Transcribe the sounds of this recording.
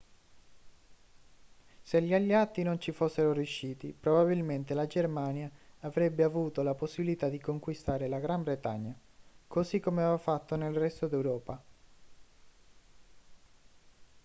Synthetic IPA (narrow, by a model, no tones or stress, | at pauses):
seʎiaʎːat̪ːinont͡ʃifosːeɾorjuʃːiːt̪ipɾobabilment̪elad͡ʒermanjaːvɾɛbːeavuːt̪olaposːibilit̪ad̪ikoŋkwist̪aːɾelaɡɾambɾet̪a̰ɲːa | kosikːomevafat̪ːonelrɛst̪od̪ewɾɔːpa